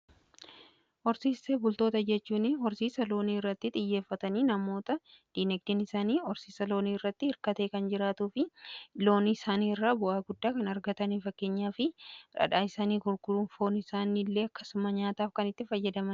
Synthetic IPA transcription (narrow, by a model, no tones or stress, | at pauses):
ʔɔɾsiːseːbʊlt̪o̞ːt̪ɐd͡ʒɛt͡ʃːuːnɪɔɾsiːsɐlo̞ːniːɪrːɐt̪ːɪt̪ʼɪjːe̞ːfːɐt̪ɐniːnɐmo̞ːt̪ɐ | d̪̥iːnɛɡ̚d̪ɪnɪsaːniːɔɾsiːsɐlo̞ːniːɪrːɐt̪ːɪɪɾkɐt̪eːkɐnd͡ʒɪɾaːt̪uːfɪlo̞ːnɪɪsaːniːrːaːbʊʔaːɡʊd̪ːaːkɐnɐɾɡɐt̪ɐniːfɐkːe̞ːɲːaːfɪɾɐ̰ᶑaːɪsaːniːɡʊɾɡʊɾuːnfo̞ːnɪsaːniːlːe̞ːɐkːɐ̥sʊmɐɲaːt̪aːfkɐnɪt̪ːɪfɐjːɐd̪ɐmɐn